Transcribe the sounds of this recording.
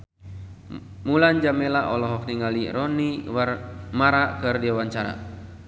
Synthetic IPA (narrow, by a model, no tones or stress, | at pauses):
muland͡ʒamɛlaʔɔlɔɦɔk̚niŋaliɾɔniwarmaɾakɨrdiawaɲt͡ʃaɾa̰